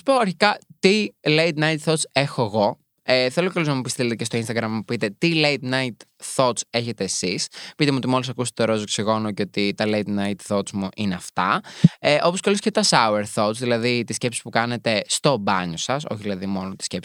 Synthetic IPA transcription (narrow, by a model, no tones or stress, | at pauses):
su̥poɐɾçikɐt̪ilejt̪nɐjt̪θo̞t̪sexoeɣo̞ | eθeloceloznɐmupist̪ilt̪ecest̪oinst̪ɐɡɾɐmmupit̪e̞t̪ilejt̪nɐjt̪θo̞t̪se̞çe̞t̪e̞ːsispit̪emuot̪imo̞lisɐkust̪oɾozoksiɣo̞noceo̞t̪it̪ɐlejt̪nɐjt̪θo̞smuʔineɐft̪ɐ̰eʔo̞po̞skɐliscet̪ɐsɐueɾθo̞t̪t͡sðilɐðit̪isce̞psi̥pukɐne̞t̪e̞st̪o̞bɐ̰ɲosɐso̞̰çiðilɐðimo̞not̪i̥scepsi